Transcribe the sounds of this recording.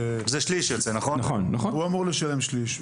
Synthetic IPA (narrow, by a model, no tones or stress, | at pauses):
zeʃliʃjot͡senaχonaχonːaχonhuamuʁleʃale̞mʃliʃ